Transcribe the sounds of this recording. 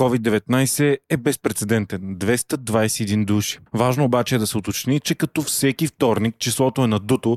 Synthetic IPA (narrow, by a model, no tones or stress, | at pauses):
kɔvid̪ːɛvɛt̪najsɛɛbɛspɾɛt̪sɛd̪ɛnt̪ɛnd̪vɛst̪əd̪vajsɛɛd̪ind̪uʃi̥vaʒnoːbat͡ʃɛːd̪ɐsɛot̪ot͡ʃnit͡ʃɛkɐt̪ɔfsɛkift̪ɔɾnik̚t͡ʃislˠɔt̪oɛnɐd̪ut̪o